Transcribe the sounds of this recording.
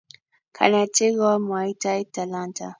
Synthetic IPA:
kʰa̰natiɡamwaitaitalanta

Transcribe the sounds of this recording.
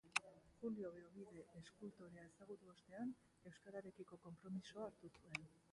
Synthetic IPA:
xulio̞βeoβiðe̞ʔːskult̪oɾeae̞saɣ̞ut̪uo̞st̪e̞an | e̞wskaɾaɾe̞kiko̞ko̞mpɾo̞misoaːɾt̪usue̞n

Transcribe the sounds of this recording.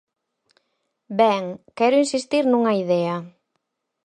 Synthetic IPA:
bɛŋkɛɾʊinsist̪iɾnuŋɐiðɛɐ

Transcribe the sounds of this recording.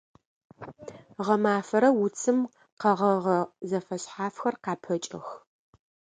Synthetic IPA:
ʁɐmaːfɐɾɐwʊt͡sʰɨm | qɐʁɐʁɐzɐfɐɕħaːfxɐrqɑːpʰɐt͡ʃʼɪ̰x

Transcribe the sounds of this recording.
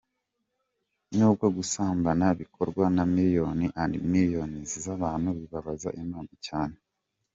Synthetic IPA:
nuːbɡoɡusaːmbanaβikʰo̞ɾɡwanamiɾjo̞niʔaɾḭmiɾjo̞nizizaβaːn̥huβiβaβaza̰ʔimaːmicaːne

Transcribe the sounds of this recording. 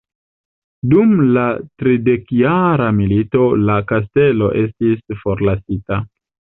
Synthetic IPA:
dumlatɾide̞kjaɾamilito̞lakas̬te̞lo̞̰ʔe̞stisfo̞ɾlasita

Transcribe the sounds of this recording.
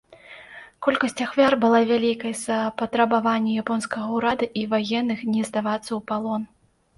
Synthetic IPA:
kɔlʲkɐsʲt͡sʲaxvʲarbɨlˠavʲalʲikɐjzɐpɐt̪ɾɐbavanʲːɛjapɔnskɐɣɐwɾad̪ɐʔivajɛnːɨxnʲɛzd̪avat̪sːɐwpalˠɔn

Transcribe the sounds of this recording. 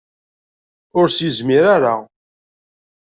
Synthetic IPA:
ʊɾsizmiɾaɾa

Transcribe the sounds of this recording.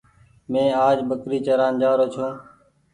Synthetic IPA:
mẽːaːd͡ʒbəkɾiːt͡ʃəɾaːnd͡ʒaːɾoːt͡ʃʰõː

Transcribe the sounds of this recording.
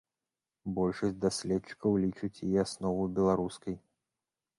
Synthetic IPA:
bɔlʲʂɐsʲtʲd̪asʲlʲɛt̪t͡ʂɨ̥kɐwlʲit͡ʂɨt͡sʲjiɛasnɔvɨbʲɛlˠaɾuskɐj

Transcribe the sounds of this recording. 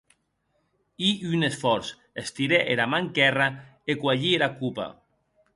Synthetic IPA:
iynesfɔɾs | est̪iɾeʔeɾamaŋkɛraekwaʎieɾakupa̰

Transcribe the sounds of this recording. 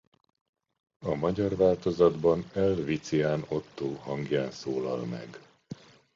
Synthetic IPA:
ɒmɒɟɒrvaːlt̪o̞zɒd̪bɒnɛlvit̪sijaːnot̪ːoːɦɒŋɡjaːnsoːlɒ̰lmɛ̰ɡ

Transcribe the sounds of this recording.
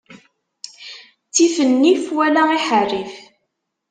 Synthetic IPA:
t͡sːifənːifwælaiħərːif

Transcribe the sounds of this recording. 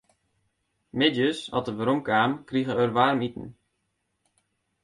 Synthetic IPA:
mɪdjəsɔ̰təʋəɾomkaːmkriɣəørʋaːrmitən̩

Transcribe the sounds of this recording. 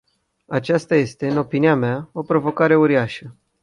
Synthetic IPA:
at͡ʃast̪aje̞st̪e̞ɨno̞piniameao̞pɾo̞vo̞kaɾe̞uɾiaʃə

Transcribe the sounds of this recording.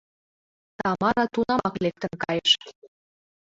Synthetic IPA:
t̪ɑmɑɾɑt̪unɑmɑklek̚t̪ə̆nkɑjəʃ

